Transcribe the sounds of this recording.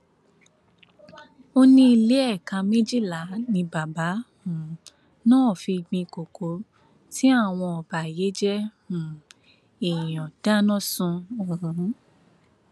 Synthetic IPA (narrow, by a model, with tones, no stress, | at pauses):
o˦nĩ˦i˧le˦ɛ˦˨kã˧mẽ˦d͡ʒi˦˨la˨˦nĩ˧ba˨ba˨˦hũ˨ | nãː˦˨fi˧ɡ͡bĩ˧ko˨kʰo˨˦ | ti˦a˦˨w̃ɔ̃˧ɔ˨ba˨je˨˦d͡ʒɛ˦ | ũ˨ | e˨j̃ɔ̃˨d̥a˦nɔ̃˦sũ˧o˨ɾũ˨˦˨